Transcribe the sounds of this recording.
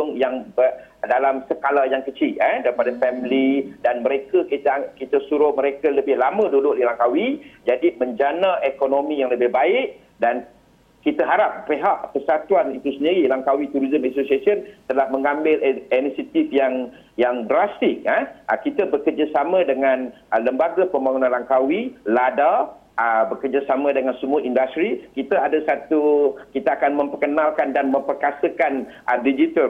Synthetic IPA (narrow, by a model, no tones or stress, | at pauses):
ʊŋjaŋbədalamsəkalajaŋkət͡ʃiʔ̪adaɾipadafɛmlidanmə̃ɾekəkit̪akit̪əsuɾʊhməɾekaləbɪhlamə̃dudʊʔ̚dilaŋkawid͡ʒadimə̃ɲd͡ʒanãʔekonomĩjaŋləbɪhbaɪʔ̚ | dan | kit̪aɦaɾap̚ːeɦaʔpərsat̪uanit̪usəndiɾilaŋkawit̪uɾizəmɛsosiasənt̪əlahməŋãmbɪlinisat̪ifjaŋ | jaŋdɾast̪ɪk̚əkit̪abərkərd͡ʒasamə̃dəŋãn | ələmbaɡapəmbaŋunãnlaŋkawilada | əbəkərd͡ʒasamə̃dəŋansəmuaʔindast̪ɾikit̪aadasat̪ukit̪aakanmə̃mpəkənalkandanmə̃mpərkasəkan | ʔədid͡ʒit̪əl